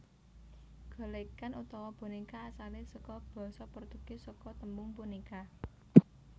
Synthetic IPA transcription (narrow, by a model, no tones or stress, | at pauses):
ɡ̥ɔ̤lekanut̪ɔwɔb̥o̤nikaːsalɪsɔkɔb̥ɔ̤sɔpərt̪ukesɔkɔt̪əmbʊŋpunika